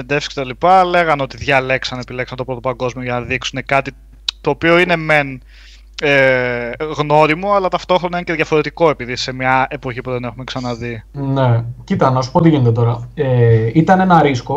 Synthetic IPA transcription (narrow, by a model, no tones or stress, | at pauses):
end̪efsi̥ket̪ɐlipɐle̞ɣɐno̞t̪iðʝɐle̞ksɐnepilksɐnt̪o̞pɾo̞t̪opɐŋɡo̞zmio̞ʝɐnɐðiksune̞kɐt̪i | t̪o̞ːpio̞ine̞me̞n | e | ɣno̞ɾimoɐlɐt̪ɐft̪o̞xɾonɐinceðʝɐfo̞ɾet̪iko̞epiðise̞mɲɐe̞po̞çipuðe̞ne̞xumeksɐnɐðine̞cit̪ɐnɐsu̥pot̪iʝinet̪et̪o̞ɾɐeit̪ɐnenɐɾisko